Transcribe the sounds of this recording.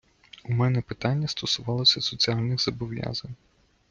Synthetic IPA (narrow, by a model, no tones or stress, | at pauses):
umɛnɛpɪt̪ɑnʲːɐst̪ɔsʊʋɑlˠɔsʲɐsɔt͡sʲiɑlʲnɪxz̥ɐbɔʋjɑ̰zɐnʲ